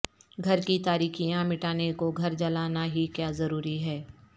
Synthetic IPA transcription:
ɡʱɐɾkit̪aːɾiːxijãmɪʈaːnekoɡʱɐɾd͡ʒɐlaːnaɦikjaːzɐɾuːɾiɦɛː

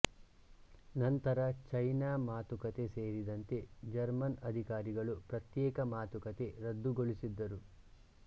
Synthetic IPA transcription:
nɐnt̪ɐɾɐt͡ʃɐjnaːmaːt̪ukɐt̪e̞se̞ːɾid̪ɐnt̪e̞d͡ʒɐɾmɐnɐd̪ʱikaːɾiɡɐɭupɾɐt̪jɛːkɐmaːt̪ukɐt̪e̞ɾɐd̪ːuɡoɭisid̪ːɐɾu

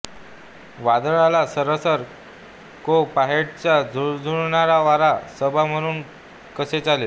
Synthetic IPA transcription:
ʋad̪əɭalasəɾəsəɾ | kopaɦeɽt͡ɕjad͡zʱud͡zʱuɭɳaɾaʋaɾasəbʱam̤əɽ̃uːn | kəset͡salel

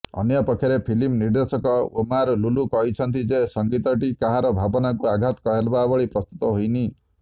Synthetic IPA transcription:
ɔ̰njɔpɔkʰːjɔɾepʰilimniɾd̪esɔkɔomaɾlulukɔɦit͡ʃʰɔnt̪id͡ʒesɔŋɡit̪ɔʈikaɦaɾɔbʱabɔnakuaɡʱat̪ɔ̥kɔɦelbabɔɭipɾɔst̪u̥t̪ɔɦojni

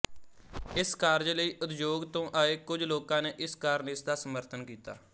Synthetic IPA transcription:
ɪskaːɾd͡ʒləiːʔʊt̪d͡ʒoːɡt̪õːʔaːeːkʊd͡ʒloːkãːneːʔɪskaːɾnɪsd̪aːsəməɾt̪ʰənkiːt̪a̰ː

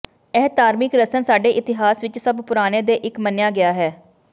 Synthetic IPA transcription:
ɛːt̪aːɾmɪkɾəsənsaːɖeːʔɪt̪ɪɦaːsʋɪt͡ʃsəbpʊɾaːneːd̪eːʔɪkmənːjaːɡɪjaːɦɛː

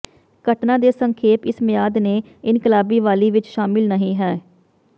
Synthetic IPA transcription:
kəʈnaːd̪eːsəŋkʰeːpɪsmɪjaːd̪neː | ɪnkɪlaːbiːʋaːliːʋɪt͡ʃʃaːmɪlnəɦĩːɦɛː

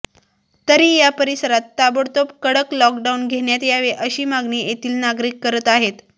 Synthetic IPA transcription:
t̪əɾiːjapəɾisəɾat̪ːabəɽt̪opkəɽəklɔk̚ɖaunɡʱeɳjat̪jaʋeʔəɕiːmaɡniːjet̪iːlnaɡɾiːkːəɾət̪aɦet̪

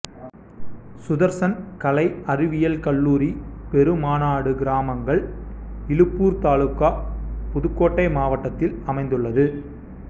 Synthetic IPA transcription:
sʊðɐɾsɐnkɐlɐɪɐɾɪʋɪjɐlkɐɭːuːɾipɛɾɯmaːnaːɽɯɡɪɾaːmɐŋɡɐɭɪlɯpːuːɾt̪aːɭɯkːaːpʊðɯkːoːʈːɐɪmaːʋɐʈːɐt̪ːɪlɐmɐɪnd̪ɯɭːɐðɯ

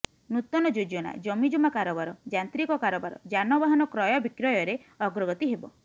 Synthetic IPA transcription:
nut̪ɔnɔd͡ʒod͡ʒɔna̰d͡ʒɔmid͡ʒumakaɾɔbaɾɔd͡ʒant̪ɾikɔkaɾɔbaɾɔ̰d͡ʒanɔbaɦɔnɔkɾɔjɔbikɾɔjɔɾe | ɔɡɾɔɡɔt̪iɦebɔ

